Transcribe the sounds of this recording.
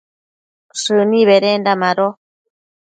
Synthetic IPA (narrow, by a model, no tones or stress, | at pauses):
ʂɨnĩβeɾendamãɾo